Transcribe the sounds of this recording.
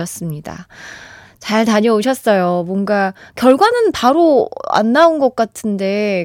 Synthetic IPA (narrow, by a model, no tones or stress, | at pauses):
ʌs͈ɯmɲida̰ | t͡ɕaɭtaɲʌuɕʰʌs͈ʌjomwʌnɡakjʌɭɡwanɯnpaɾoa̰nːaunɡʌk̚k͈atʰɯnde̞